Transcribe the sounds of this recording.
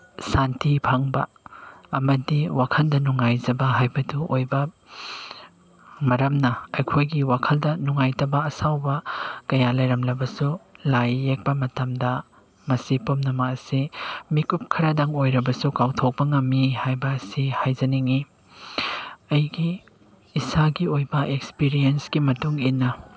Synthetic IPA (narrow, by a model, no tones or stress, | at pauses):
santipʰaŋbɐ | ɐmɐdiwakʰɐndɐnuŋajzɐbɐɦajbɐduojbɐ | mɐɾɐmnɐɐjkʰojɡiwakʰɐldɐnuŋajtɐbɐɐsawbɐkɐjalɐjɾɐmlɐbɐsulajːek̚pɐmɐtɐmdɐ | mɐsipomnɐmɐɐsimikup̚kʰɐɾɐdaŋojɾɐbɐsukawtʰok̚pɐŋɐmːihajbɐːsihajzɐniŋi | ɐjɡiː | saɡiojbɐʔekspiɾiensɡimɐtuŋinːɐ